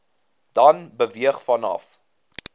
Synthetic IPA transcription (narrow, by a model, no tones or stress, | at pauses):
d̥ɐnbəviəχfɐnɐ̰f